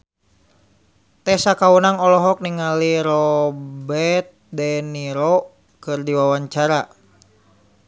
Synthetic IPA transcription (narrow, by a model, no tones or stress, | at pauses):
t̪ɛsakaunaŋɔlɔɦɔk̚niŋaliɾɔbɛt̪̚dɛniɾɔ | kɨrdiwawaɲt͡ʃaɾa